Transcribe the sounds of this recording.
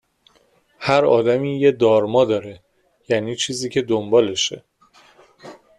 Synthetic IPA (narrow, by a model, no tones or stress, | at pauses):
hæɾɒ̰ːd̪æmiːjed̪ɒːɾmɒːd̪ɒːɾe | jæːniːt͡ʃʰiːziːcʰe̞d̪ombɒːleʃḛ